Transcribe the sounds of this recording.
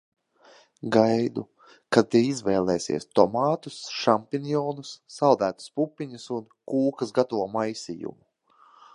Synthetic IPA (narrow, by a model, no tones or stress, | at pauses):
ɡajd̪ṵ | kat̪eizvɛːjlˠɛːsḭɛst̪ɔmaːt̪usʃampinjɔːnusːawd̪æːt̪u̥spupʲːiɲusunkuːkɐsɡat̪avuɔmajsʲḭjṵmu